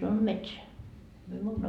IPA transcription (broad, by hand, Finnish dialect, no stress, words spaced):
sɑnon metseæ myø muːtɑ